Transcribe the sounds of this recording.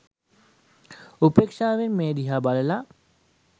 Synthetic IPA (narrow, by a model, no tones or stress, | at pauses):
upeːkʂaːʋenmeːd̪iɦaːbaləla